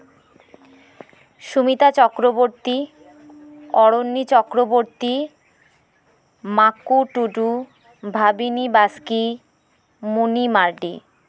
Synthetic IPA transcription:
ʃumit̪at͡ɕɔkɾoboɾt̪i | ɔɾonːit͡ɕɔkɾoboɾt̪i | makuʈuʈu | bʱabinibaski | munimaɾɖḭ

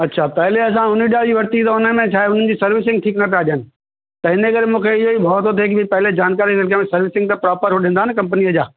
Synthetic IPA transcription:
ɐtːɕʰapɐɦɪleɐs̬ãʊniɗad͡ʑiːʋɐɾt̪it̪ɐʊnəmẽt͡ɕʰaːeɦʊn̤ənɪ̆d͡ʑiːsɐɾʋɪs̬ɪ̃ŋɡ̚ʈʰiːknɐp̬aɗjənɪ̆ | t̪ɐɪnəkɐɾemũːkʰeɪɦoibʱɐːt̪ot̪̬ʰek̬ɪbʱɪpɐɦɪled͡ʑaːnkaːɾisɪlkemẽsɐɾʋɪsɪ̃ŋɡt̪ɐpɾaːpəɾɦʊɗĩːn̆d̪aɦɪnɪkɐ̃mpniəd͡ʑaː

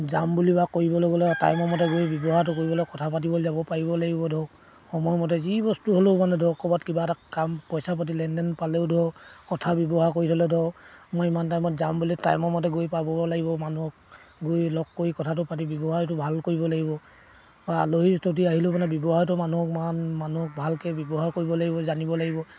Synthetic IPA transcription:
zambulibakoɹibɔlɔɡɔlɔta̰jmɔmɔt̬ɛɡojbjɔbɔɦaɹt̬ʊkoɹibɔlɔkɔtʰapat̬ibɔlzabɔpaɹibɔlaɡibɔdʱɔ | xɔmɔjɔmɔt̬ɛzibɔstuɦolomanɛdʱɔkɔbatkibaɛtakampɔjsapat̬ilɛndɛnpalɛʊdʱɔkɔtʰabjɔbɔɦakoɹitʰɔlɛdʱɔmojimantajmɔtzambulita̰jmɔmɔt̬ɛɡojpabɔlaɡibɔmanuɔk̚ɡojlɔkːoɹikɔtʰatʊpat̬ibjɔbɔɦajt̬ʊbʱalkoɹibɔlaɡibɔ | baloɦistʰot̬iaɦilʊmanɛbɔbɔɦajtɔmanuɦɔkmanmanuɦɔk̚bʱalkɛbɔbɔɦaɹkoɹibɔlaɡibɔzanibɔlaɡibɔ

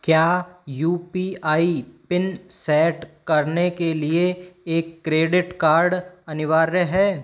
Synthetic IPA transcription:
kjaːjuːpiaːipɪnsɛːʈkɐɾnekelieeːkːɾeːɖɪʈkaːɾɖɐnɪʋaːɾjəɦɛː

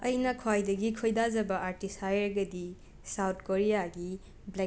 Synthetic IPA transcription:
ɐjnɐkʰwajdɐɡikʰojdad͡ʒɐbɐʔaɾtisajɾɡɐdi | sawt̚ʰkoɾijaɡi | ble

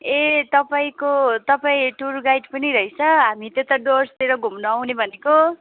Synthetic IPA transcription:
et̪ʌpaĩkot̪ʌpaĩʈurɡajʈpʌniɾʌit͡sʰʌɦamit̪et̪aɖorst̪eɾʌɡʱumnʌːwnebʱʌneko

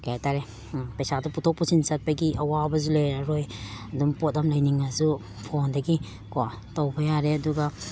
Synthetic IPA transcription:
kajataɾe | pajsaduputʰɔk̚pusinsat̚pajɡiʔawabɐzulejaɾojadumpɔt̚damlajniŋazu | pʰondɐɡi | ko | tawbajaɾeɐduɡa

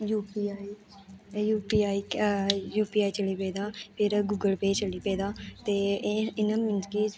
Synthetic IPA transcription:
juːpiːi | juːpiːaːiːjuːpiːaːiːt͡ʃəliːpeːd̪aːpʰɪɾɡʊɡəlpeːt͡ʃəliːpeːd̪aːt̪eːɪnəːmɪnd͡ʒkiː

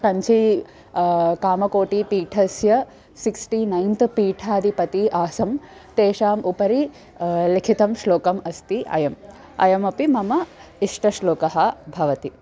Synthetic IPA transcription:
kɐɲt͡ʃʰi | kaːmɐkoːʈipiːʈʰɐsjɐ | siksʈiːnɐjnt̪ʰpiːʈʰaːd̪ipɐt̪iʔaːsɐm | t̪eːʃaːmʔupɐɾi | likʰit̪ɐmʃloːkɐmɐst̪iʔɐ̰jɐm | ɐ̰jɐmɐpimɐmɐiʂʈɐʃloːkɐɦɐbʱɐʋɐt̪i

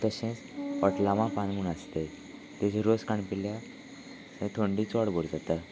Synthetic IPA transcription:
t̪əɕẽt͡səʈlaʋãpanɡunast̪e | t̪et͡ɕʰiɾoskaɳpilja | sẽt̪ʰoɳɖit͡sɔɽboɽd͡zat̪a

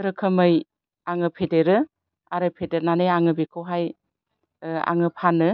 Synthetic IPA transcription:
ɾɯkʰɯmɯj | aŋɯpʰedeɾɯ | aɾɯpʰedeɾnanɯjaŋɯbekʰɯwɦaj | a̰ŋɯpʰanɯ

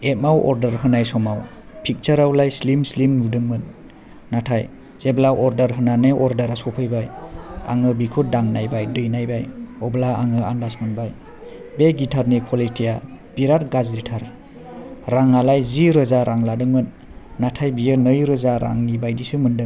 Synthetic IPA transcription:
et̚mawɔ̰ɾdəɾɦɯnajsɔmaw | pʰik̚t͡ʃəɾawlajslimslimnudɯŋmɯnː | atʰaj | z̥eblaʔɔɾdəɾɦɯnaneʔɔɾdəɾasɔpʰɯjbaja̰ŋɯbikʰut̚daŋnajbajdɯjnajbajɔblaaŋɯandasmɯnbaj | beɡitʰaɾnikʰɔletʰija | b̥iɾat̚ɡazɾitʰaɾ | ɾaŋalajziɾɯzaɾʔaŋladɯŋmɯnː | atʰajbijɯnɯjɾɯzaɾa̰ŋnibajdisɯmɯndɯŋ

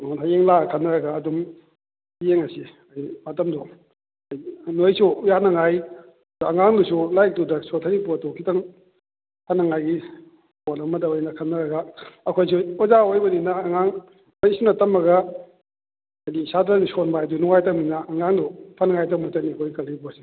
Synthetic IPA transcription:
onɦajeŋlakʰɐnːɐɾɐɡaːdum | hajeŋɐsi | ajimɐtɐmdɔ | ɐjnojsuujanɐŋaj | duɐŋaŋdusulajk̚dudɐsotʰɐɾipuɐtokʰitɐŋ | pʰanːɐŋajɡi | polɐmɐdɐojnɐkʰɐnːɐɾɐɡɐɐkʰojsuozaojbɐninɐːŋaŋ | ojsunɐtɐmɐɡɐ | ɐjdisadɾanisonbaedunuŋajtɐŋmninɐɐŋaŋdupʰanɐŋajtɐmutɐnikʰojkɐlibusi

